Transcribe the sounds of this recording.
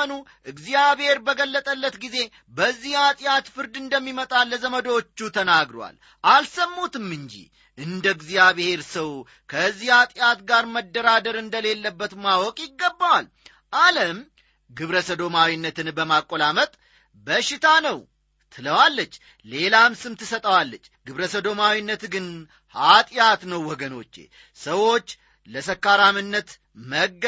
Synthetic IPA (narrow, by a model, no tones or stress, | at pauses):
ənuʔɨɡzijaβhe̞ɾbəɡəlːət̪ʼəlːət̪ɡize̞ | bəzːihat̪ʼjat̪fɨɾd̪ɨnd̪əmːimət̪ʼalːəzəməd̪wot͡ʃːut̪ʰənaɡɾwa̰l | ʔalsəmːut̪ɨmːɨɲd͡ʒḭ | ʔɨnd̪əɨɡzijaβhe̞ɾsəw | kʰəzːihat̪ʼjat̪ɡaɾməd̪ːəɾad̪əɾɨnd̪əle̞lːəbːət̪mawɔkʼjɪɡːəbːawal | ʔaləm | ɡɨβɾəsəd̪o̞mawinːət̪ʰɨnbəmakʼːolamət̪ʼ | bəʃːɪt̪ʰanəw | t̪ʰɨləwalːət͡ʃː | le̞lamsɨmt̪ɨsət̪ʼəwalːət͡ʃːɡɨβɾəsəd̪o̞mawinːət̪ɡɨn | hat̪ʼjat̪nəwːɔɡəno̞t͡ʃːḛ | səwo̞t͡ʃː | ləsəkːaɾamɨnːət̪ | məɡ